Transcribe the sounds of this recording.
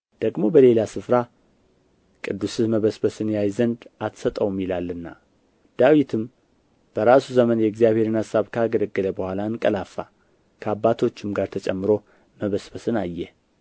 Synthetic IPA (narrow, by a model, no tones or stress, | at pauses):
d̪̥əɡmo̞bəle̞lasɨfɾa | kʼɨd̪ːusɨməβəsbəsɨnjajzənd̪at̪sət̪ʼəwmjilalːɨnːa | d̪̥awit̪ʰɨm | b̥əɾasuzəmənjɛɡzijaβhe̞ɾɨnasaβkʰaɡələɡːələbəhʷalankʼəlafːa | kʰəabːat̪ʰo̞t͡ʃːɪmɡaɾt̪ʰət͡ʃʼɛmːɨɾo̞ | məβəsbəsɨnajːɛ